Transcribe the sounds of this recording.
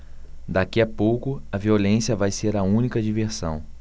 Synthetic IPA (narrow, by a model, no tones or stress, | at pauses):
d̪akiɐpowkʊɐviolẽsijɐvajseɾɐũnikɐd͡ʒiveɾsɐ̰̃w̃